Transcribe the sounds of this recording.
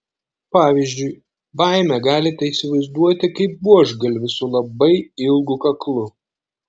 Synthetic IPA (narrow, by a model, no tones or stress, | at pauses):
pɑːʋʲizʲd͡ʒʲʊɪ | bɑˑɪmʲɛɡɑːlʲɪt̪ʲɛiːsʲɪʋɐɪzd̪uɔt̪ʲɪkɐɪp̚buɔʒɡɐlʲʋʲɪsʊlˠɐbɐɪɪlˠɡukɐklˠʊ